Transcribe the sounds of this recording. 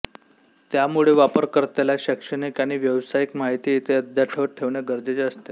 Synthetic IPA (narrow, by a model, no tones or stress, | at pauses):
t̪jamuɭeʋapəɾkəɾt̪elaɕəkʂəɽikaɽ̃iʋjəʋsaikmaɦit̪iːt̪ʰeəd̪ʱjaʈʰəʋʈʰːeʋɳeɡəɾd͡zet͡ɕeəst̪e